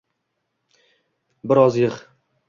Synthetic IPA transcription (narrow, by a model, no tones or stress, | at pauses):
bɪɾɒzjɨχ